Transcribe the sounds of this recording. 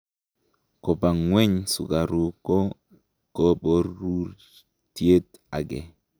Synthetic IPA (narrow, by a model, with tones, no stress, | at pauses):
ko˨ba˨ŋwe˦ɲsṵ˨ɡa˨ɾu˦˨ko˦ | ko˦ɓo˦ɾu˦ | ti˦e˦t | a˨ɡe˨